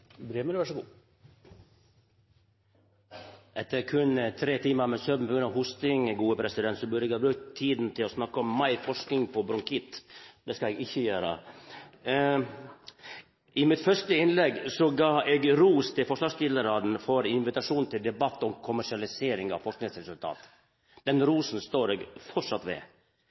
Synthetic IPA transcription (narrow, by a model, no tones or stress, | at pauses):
bɾeːməɾʋæʂəɡuː | ʔɛt̪ːəɾkʰʉnt̪ʰɾeːt̪ʰiːməɾmɛsœːd̪n̩pɔɡɾʉnɑɦʊst̪ɪŋɡuːəpʰɾɛsɪd̪ɛnt̪sɔbʉd̪əɛɡhɑːbɾʉk̚t̪ʰːiːd̪n̩t̪ʰɪlɔsnɑkːəɔmːɑɪfɔʂknɪŋpʰɔbɾʊŋkʰɪt̪d̪ɛskɑɛɡɪçːəjøːɾə̰ | ɪmɪt̪fœʂʈəɪnlɛɡːsɔɡɑːɛɡɾuːst̪ʰɪlfɔʂʋɑːʂst̪ɪləɾɑd̪n̩fɔɾɪnʋɪt̪ɑʂuːnt̪ʰɪld̪ɛbɑt̪ːɔmkʰʊmæʂɪɑlɪseːɾɪŋɑ̰ʋfɔʂknɪŋsɾɛsʉlt̪ʰɑ̰ːt̪ | d̪̥ɛnɾuːsn̩st̪oːɾɛɡfɔʂɑt̪ːʋɛ̰